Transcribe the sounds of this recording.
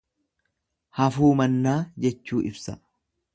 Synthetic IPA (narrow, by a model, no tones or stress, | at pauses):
hɐfuːmɐnːaːd͡ʒɛt͡ʃːuːʔɪbsɐ